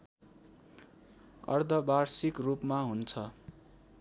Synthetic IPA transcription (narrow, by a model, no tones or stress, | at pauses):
ʌ̰rd̪ʱʌbarsikrupmaɦunt͡sʰʌ